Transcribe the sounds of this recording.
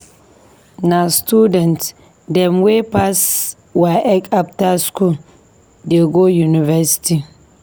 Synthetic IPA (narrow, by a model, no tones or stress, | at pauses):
nastudɛnt | dɛmwepas | waʔɛkap̚taskul | deɡojunivɛsi̥ti